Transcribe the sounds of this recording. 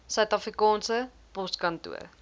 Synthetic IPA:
sœɥtɐfrikɑːnsə | pɔskɐntṵər

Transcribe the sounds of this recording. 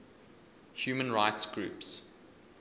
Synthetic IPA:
hjuːmə̃nɹaɪtsɡ̥ɹʉ̰ːps

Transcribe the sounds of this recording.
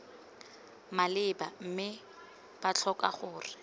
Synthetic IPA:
malɪbam̩mɪ | b̥at͡ɬʰɔka̰χʊːrɪ

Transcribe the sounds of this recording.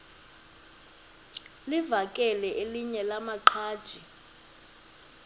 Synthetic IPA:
livakʼɛlɛʔeliɲɛlamaǃʰaːd̥ʒ̥ʱi

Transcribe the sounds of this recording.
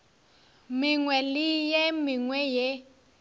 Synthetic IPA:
mɪŋwɛlɪjemɪŋwɛje

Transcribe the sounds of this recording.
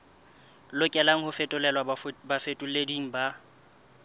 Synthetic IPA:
lʊkʼɛlaŋ̩hʊfɛtʼʊlɛlwabafetʼʊlediŋ̩ba

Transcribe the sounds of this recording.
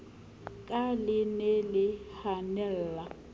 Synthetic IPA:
kʼalɪnɛlɪhanɛlla

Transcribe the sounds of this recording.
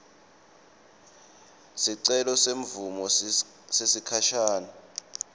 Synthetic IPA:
siǀɛlɔseɱ̩vumɔ | sesikʰaʃaːnɔ

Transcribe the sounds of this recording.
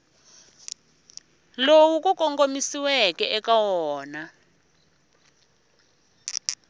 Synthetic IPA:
lowuk̬ʼukʼɔŋɡomisiwɛkɛʔɛkawɔːna

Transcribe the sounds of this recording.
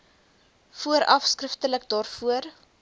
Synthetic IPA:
fuəɾʔɐfskrəftələk̚dɑːrfuər

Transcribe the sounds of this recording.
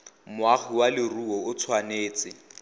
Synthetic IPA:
mʊaχiwalɪruɔʊt͡sʰwaneːt͡sʼɪ

